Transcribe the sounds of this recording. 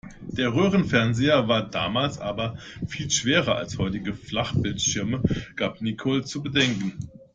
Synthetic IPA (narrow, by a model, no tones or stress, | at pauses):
d̥eːɐʁøːʁ̞ənfɛɐnzeːɐvaːɐda̰ːmaːlsʔaːbɐfiːlʃv̥eːʁɐʔa̰lshɔʏtɪɡəflaχb̥ɪltʃɪɐməɡ̥aːpnikʰɔlt͡subədɛŋkn̩